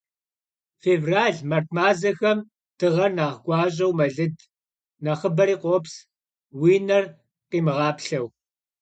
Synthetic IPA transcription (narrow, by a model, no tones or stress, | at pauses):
feːvraːɮmɐrtʰmaːzɐxɐm | d̥ɨʁɐrnaːʁɡʷɑːɕ̬ʼɐwmɐɮɨd | nɐχəbɐɾiːqʷoːps | wiːnɐr | qiːmɨʁɑːpɬɐw